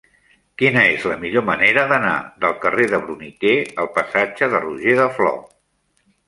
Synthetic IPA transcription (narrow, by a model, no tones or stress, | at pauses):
kinəezləmiʎoməneɾəðəna̰ðəlˠkəreðəβɾunit̪eəlˠpəsad͡ʒəðəruʒeðəflɔ̰